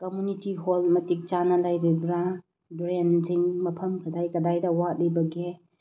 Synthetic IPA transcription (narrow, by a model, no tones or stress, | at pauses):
komunitiɦolmɐtik̚t͡ʃanɐlajɾibɾa | bɾenziŋmɐpʰɐmkʰɐdajkɐdajdɐwat̚libɐɡe